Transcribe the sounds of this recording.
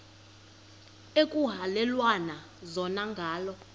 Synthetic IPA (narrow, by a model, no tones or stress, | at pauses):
ekʼuɦalɛlwana | zɔnaŋɡʱaːlɔ